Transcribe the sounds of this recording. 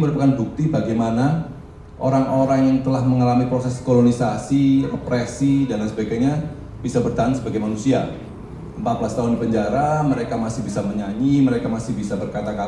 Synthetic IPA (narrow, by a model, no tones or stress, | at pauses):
məɾupakanbuk̚t̪ibaɡajmana | ʔo̰ɾaŋoɾaŋjaŋt̪əlahməŋalamipɾosɛskolonisasirəpɾesidalasəbaɡaɲa | b̥isabərt̪aaŋsəbaɡajmanusia | əmpat̪̚bəlast̪aɦʊndipəɲd͡ʒaɾaməɾekamasɪhbisaməɲaɲiməɾekamasɪhbisabərkat̪aka